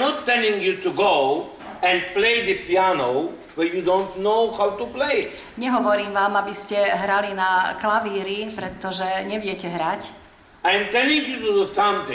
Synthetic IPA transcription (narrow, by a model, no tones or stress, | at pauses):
nɔtːɛlĩŋjut̪uɡo | ɛ̃ndpleɪd̪əpianoʊ | wɛjud̪õntnoʊhawt̪upleɪɪt̪ɲɛɦɔʋɔɾiːmʋaːmabiscɛɦɾalinaklaʋiːɾipɾɛt̪ːɔʒɛɲɛʋɪɛcɛɦɾac | ajmt̪ɛlĩŋjut̪ud̪usãmt̪ɪ̃